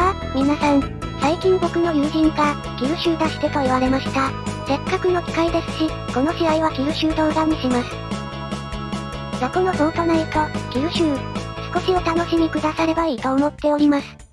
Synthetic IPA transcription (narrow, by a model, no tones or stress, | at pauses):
a | mʲinasãɰ̃ | saikʲĩŋbo̞kɯ̟no̞jɯ̟ːʑĩŋka | ɡ̥ʲiɯɕɨːd̪aɕi̥t̪e̞t̪o̞iβaɾe̞maɕi̥t̪ase̞kːakɯ̟no̞kʲi̥kaid̪e̞sɨ̥ɕi | ko̞no̞ɕiɾaiβaɡʲiɯ̟ɕɨːt̪o̞ːɡ̪aɲiɕimasɨ̥ | so̞kono̞so̞ːt̪onait̪oɡ̥ʲɨ̟ːɕɨːsɨ̥ko̞ɕiot̪ano̞ɕimʲikɯ̟d̪asaɾe̞baiːt̪oːmo̞t̪ːe̞o̞ɾʲimasɨ̥